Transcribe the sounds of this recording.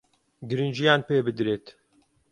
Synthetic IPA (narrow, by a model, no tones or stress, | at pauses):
ɡɨɾind͡ʒijaːnpeːbɨd̪ɾeːt̪